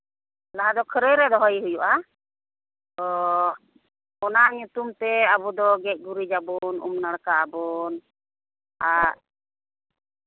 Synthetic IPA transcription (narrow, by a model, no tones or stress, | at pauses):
laɦad̪ɔkʰəɾəjɾɛd̪ɔɦɔjɦujuʔa | ɔ | ɔnaɲut̪umt̪ɛabud̪ɔɡɛc̚ˀɡuɾid͡ʒabɔnṵmnaɽkaabɔn | a